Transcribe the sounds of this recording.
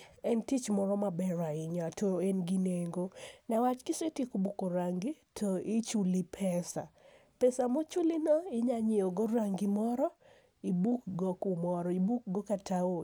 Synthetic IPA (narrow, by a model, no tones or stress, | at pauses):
ɛntit͡ʃmɔɾɔmabɛɾaɪɲatoenɡineŋɡonawat͡ʃkɪsetikobukoɾaŋɡitʰɔɪt͡ʃulipʰɛsa̰pɛsamot͡ʃulɪnɔɪɲaɲɪoɡoɾaŋɡɪmɔɾɔ | ibukɡɔkumɔɾɔibuk̚ɡɔkatao